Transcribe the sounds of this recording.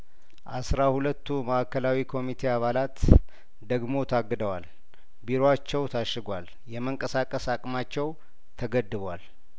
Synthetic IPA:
ʔasɾahulət̪ʰːuməʔakːəlawikʰo̞mit̪ʰe̞aβalat̪ | d̪əɡmo̞t̪ʰaɡːɨd̪əwal | biɾoat͡ʃːɛwt̪ʰaʃːɨɡwal | jɛməŋkʼəsakʼəsakʼmat͡ʃːɛw | t̪ʰəɡəd̪ːɨβal

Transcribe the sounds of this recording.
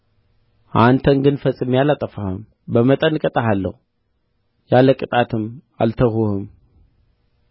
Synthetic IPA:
ʔant̪ʰənɡɨnfət͡sʼːɨmjalat̪ʼːəfahɨ̰m | bəmət̪ʼənkʼət̪ʼəɦalːə̰hu | jaləkʼɨt̪ʼat̪ʰɨm | a̰lt̪ʰəhuhɨm

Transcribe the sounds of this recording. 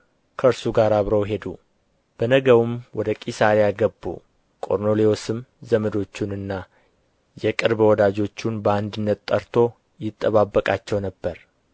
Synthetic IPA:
kʰəɨɾsuɡaɾaβɾəwɦe̞d̪u | b̥ənəɡəwɨmwɔd̪əkʼisaɾijaɡəbːṵ | kʼo̞̰ɾno̞leo̞sɨmzəməd̪o̞t͡ʃːunɨnːa | jɛkʼɨɾbwɔd̪ad͡ʒo̞t͡ʃːunbəand̪ɨnːət̪t̪ʼːəɾt̪ʰo̞ | jɪt̪ʼːəβabːəkʼat͡ʃːɛwnəbːəɾ

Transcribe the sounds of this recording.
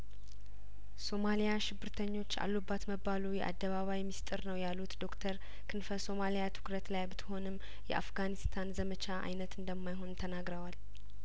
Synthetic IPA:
so̞malijaʃɪbːɨɾt̪ʰəɲːo̞t͡ʃːa̰lːubːat̪məbalujɛʔa̰d̪ːəβaβajmist̪ʼɨɾnəwjalːut̪d̪o̞kt̪ʰəɾ | kʰɨnfəso̞malijat̪ʰɨ̥kɾət̪lajbɨt̪ʰɨ̥ho̞nɨm | jɛ̰ʔa̰fɡanist̪ʰanzəmət͡ʃʰaʔa̰jnət̪ɨnd̪əmːajɦo̞nt̪ʰənaɡɾəwal

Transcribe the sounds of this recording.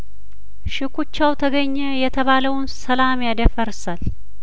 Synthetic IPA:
ʃɨkʰʷut͡ʃːawt̪ʰəɡəɲːɛjɛt̪ʰəβaləwnsəlamjad̪əfəɾsal

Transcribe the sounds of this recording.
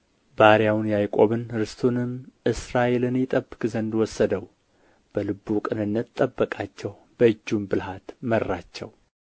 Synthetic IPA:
baɾjawnjajkʼo̞βɨnɾɨst̪ʰonɨmʔɨsɾaʔelɨnjɪt̪ʼəbːɨkʼzənd̪wɔsːəd̪əw | b̥əlɨbːukʼɨnɨnːət̪t̪ʼəbːəkʼat͡ʃːɛw | b̥əɨd͡ʒːunbɨlhat̪mərːat͡ʃːɛ̰w

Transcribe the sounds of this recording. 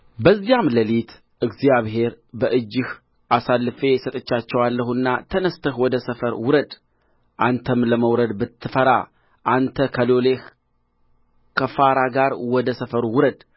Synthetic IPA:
bəzːijamləlit̪ | ʔɨɡzjaβɦe̞ɾ | bəʔɨd͡ʒːɪh | ʔasalːɨfe̞sət̪ʼət͡ʃːat͡ʃːɛwalːəhunːa̰t̪ʰənəst̪ʰəhwɔd̪əsəfəɾwʊɾəd̪ | ʔant̪ʰəmləməwɾəd̪bɨt̪ʰːɨfəɾa̰ | ʔant̪ʰəkʰəloleh | kʰəfaɾaɡaɾwɔd̪əsəfəɾwʊɾəd̪

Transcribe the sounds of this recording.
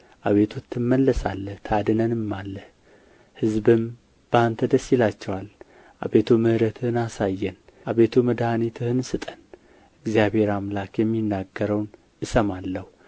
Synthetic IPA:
ʔaβe̞t̪ʰut̪ʰːɨmːəlːəsa̰lːəht̪ʰad̪ɨnənɨmːalːəh | hɨzbɨm | b̥əant̪ʰəd̪əsjɪlat͡ʃːɛwal | ʔa̰βet̪ʰumɨhɾət̪ʰɨhɨnasajːɛn | ʔaβet̪ʰuməd̪hanit̪ʰɨhɨnsɨt̪ʼən | ɨɡzijaβhe̞ɾamlakjɛmːinːaɡːəɾəwn | ʔɨsəmalːəhu

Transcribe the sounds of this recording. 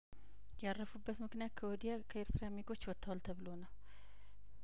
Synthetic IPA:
jarːəfubːət̪mɨknijat̪̚kʰəwɔd̪ijakʰəeɾt̪ʰɨɾamiɡo̞t͡ʃːwɔt̪ʰːawalt̪ʰəβɨlo̞nəw

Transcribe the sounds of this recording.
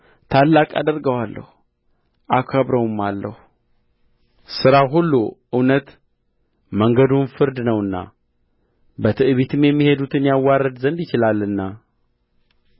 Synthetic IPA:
t̪ʰalːakʼa̰d̪əɾɡəwalːə̰hu | ʔakʷʰəβɾəwumːalːə̰hu | sɨɾaɦulːuʔɨwnət̪ | məŋɡəd̪unfɨɾd̪nəwɨnːa̰ | bət̪ʰɨʔβit̪ʰɨmjɛmːihe̞d̪ut̪ʰɨnjawːarːəd̪zənd̪jɪt͡ʃɪlalːɨnːa

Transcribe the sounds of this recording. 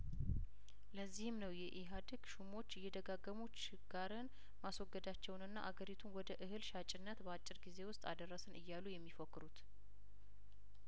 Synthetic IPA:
ləzːihɨmnəwjɛʔiɦad̪ɨɡʃumo̞t͡ʃːɪjːɛd̪əɡaɡːəmut͡ʃ | ɡ̥aɾɨn | maswɔɡːəd̪at͡ʃːɛwnɨnːa̰ʔaɡəɾit̪ʰunwɔd̪əʔɨɦɨlʃat͡ʃʼɪnːət̪bəat͡ʃʼːɪɾɡize̞wʊst̪ʼa̰d̪ərːəsɨnʔɨjːalːujɛmːifokːɨɾut̪

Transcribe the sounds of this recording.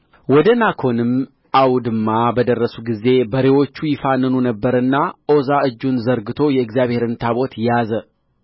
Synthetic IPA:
wɔd̪ənakʰo̞nɨm | awd̪ɨmːabəd̪ərːəsuɡize̞bəɾewo̞t͡ʃːujɪfanːɨnunəbːəɾɨnːaʔo̞zaɨd͡ʒːunzəɾɡɨt̪ʰo̞jɛɨɡzjaβhe̞ɾɨnt̪ʰaβo̞t̪jjazə

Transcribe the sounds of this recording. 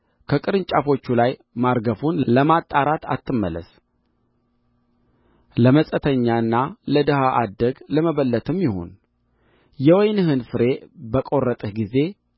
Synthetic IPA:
kʰəkʼɨɾɨnt͡ʃʼafo̞t͡ʃːulaj | maɾɡəfunləmat̪ʼːaɾat̪ʰa̰t̪ːɨmːəlːə̰s | ləməsʼət̪ʰəɲːaɨnːaləd̪əɦaʔad̪əɡləməβəlːət̪ʰɨmjɪho̞̰n | jɛwɔjnɨɦɨnfɨɾe̞bəkʼo̞rːət̪ʼɨhɡize̞

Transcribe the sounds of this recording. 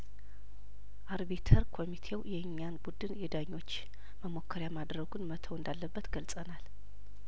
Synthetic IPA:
ʔaɾβet̪ʰəɾkʰo̞mit̪ʰe̞wjɛɨɲːanbud̪ɨnɛd̪aɲːo̞t͡ʃː | məmo̞kʰːəɾjamad̪ɾəɡunmət̪ʰəwɨnd̪alːəbːət̪ɡəlsʼənal

